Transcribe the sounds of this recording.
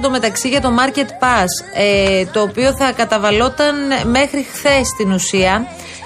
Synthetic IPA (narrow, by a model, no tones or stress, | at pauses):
t̪ome̞t̪ɐksiʝɐt̪o̞mɐɾce̞t̪pɐset̪o̞ːpio̞θɐkɐt̪ɐvɐlo̞t̪ɐnme̞xɾixθe̞st̪inusiɐ